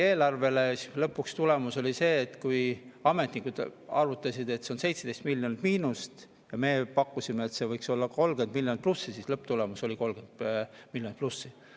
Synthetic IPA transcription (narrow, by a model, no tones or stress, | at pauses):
e̞ːlɑrve̞lelɤpːukst̪ule̞muso̞lʲise̞ːt̪ːkujɑme̞t̪nikːˑud̪̥ɑɾut̪ːˑɑsid̪̥e̞t̪ːseo̞nse̞jt̪sʰed̪e̞jst̪milʲːjonid̪̥miːnust̪ | jɑme̞ːpɑkːˑusimeet̪se̞vɤjkso̞lːɑko̞lɡ̥e̞nd̪miljonit̪̚plusːisiːslɤpːˑt̪ule̞muso̞lʲiko̞lɡe̞nd̪̥̚milʲjonit̪plusːi